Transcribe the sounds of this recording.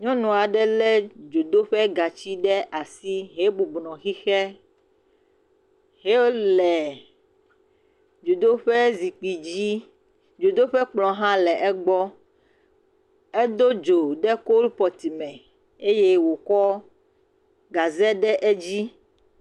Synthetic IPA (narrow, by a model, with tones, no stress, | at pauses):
ɲɔ̃˦nũ˨a˨ɖɛ˦lɛ˦d͡ʒo˨d̪o˦ɸɛ˦ɡa˨t͡ɕi˦ɖɛ˦ʔa˨si˦ɦe˦bu˨bnɔ̃˨xi˦xɛ˦ | ɦe˦o˦lɛ˨ | d͡ʒo˨d̪o˦ɸɛ˦zi˨k͡pi˨d͡ʑi˦ | d͡ʒo˨d̪o˦ɸɛ˦k͡plɔ̃˨ɦã˦lɛ˨ʔɛ˦ɡ͡bɔ˦ | ɛ˦d̪o˦d͡ʒo˨ɖɛ˦ko˦lpɔ˨t̪i˨mɛ̃˨ | e˦je˦wo˨kɔ˦ | ɡa˨zɛ˦ɖɛ˦ʔe˦d͡ʑi˦